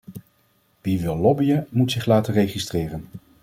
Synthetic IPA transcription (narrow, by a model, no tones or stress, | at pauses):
b̥iʋɪlˠɔbijəmutsɪχlaːtərejχistrɪːrən